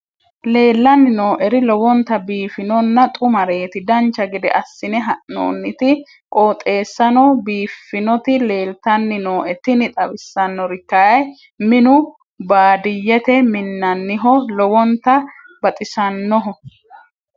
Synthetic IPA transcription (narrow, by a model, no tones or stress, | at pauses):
le̞ːlːɐnːɪno̞ːʔɛɾɪlɔwɔnt̪ɐbiːfɪnɔnːɐt̪ʼʊmɐɾe̞ːt̪ɪd̪ɐnt͡ʃːɐɡɪd̪ɛ̰ʔɐsːɪnɛɦɐʔno̰ːnːɪt̪ɪ | kʼoːt̪ʼe̞ːsːɐnɔbiːfːɪnɔt̪ɪle̞ːlt̪ɐnːɪno̞ːʔɛt̪ɪnɪt̪ʼɐbɪsːɐnːɔɾɪkːɐjɐj | mɪnʊ | baːd̪ɪjːɛt̪ɛmɪnːɐnːɪɦɔlɔwɔnt̪ɐ | bɐt̪ʼɪsɐnːɔɦɔ